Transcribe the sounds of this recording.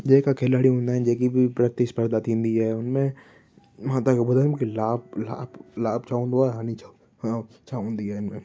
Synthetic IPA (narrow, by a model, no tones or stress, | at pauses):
d͡ʒeːkakʰeːlaːɽiɦʊ̃nd̪aɦɛ̃d͡ʒeːkibʱipɾɐt̪ispəɾd̪aːt̪ĩnd̪iɦɛʊnmẽ | mãːt̪akebʊd̪əɾmkilaːb̚la̰ːblaːbt͡ʃaːũnd̪oaːɦaːnit͡ʃau | ãː | t͡ʃaːũnd̪iɦɛɪnmẽ